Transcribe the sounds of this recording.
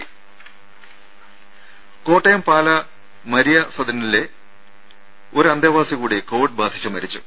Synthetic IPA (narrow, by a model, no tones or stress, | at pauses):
ko̞ːʈːejɐmpaːlɐ | mɐɾijɐsɐd̪ʱɐnile | o̞ɾɐnd̪ɐʋaːsikuːɽiko̞ːʋiɖ̚baːd̪ʱi̥t͡ɕːumɐɾit͡ɕːu